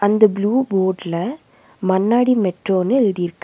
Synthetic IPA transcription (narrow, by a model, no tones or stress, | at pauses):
ɐnd̪ɐbluːboːɾɖlɐ | mɐnːaːɽimɛʈroːnːɯɛɻɯðijɪɾɯkːɯ